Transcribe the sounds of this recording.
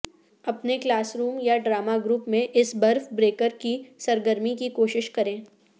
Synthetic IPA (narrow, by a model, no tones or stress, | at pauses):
ɐpneklaːsɾuːmjaɖɾaːmaɡɾuːpmẽʔɪsbɐɾfbɾeːkəɾkisɐɾɡəɾmikikoːʃɪʃkɐɾẽː